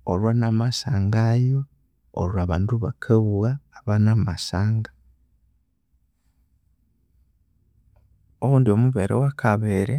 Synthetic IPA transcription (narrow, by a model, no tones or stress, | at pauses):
oɾwanamasaːŋɡajo̰ː | ɾwaːβaːnduβakʰeβuwaːβanamasaːŋɡḁ | oβuːndio̞muβeɾḛwakʰaβeɾe